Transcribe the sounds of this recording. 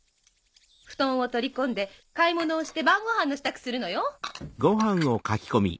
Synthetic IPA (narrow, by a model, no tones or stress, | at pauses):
ɸɯ̟̥t̪õ̞ɰ̃o̞t̪o̞ɾʲikõ̞nd̪e̞kaimo̞no̞ːɕi̥t̪e̞bãŋɡohãnːo̞ɕi̥t̪akɯ̟̥sɨɾɯ̟no̞joɡo̞ɦãɰ̃o̞kakʲi̥ko̞mʲḭ